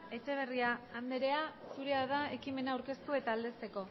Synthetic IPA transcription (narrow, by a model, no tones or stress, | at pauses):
e̞t͡ʃe̞β̞e̞riaːnd̪e̞ɾe̞a | suɾe̞aðae̞kime̞naːwɾke̞st̪ue̞t̪aːld̪e̞se̞ko̞